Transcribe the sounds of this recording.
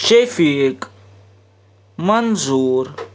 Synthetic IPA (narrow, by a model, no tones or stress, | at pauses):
ʃefik | mɐnzuːɾ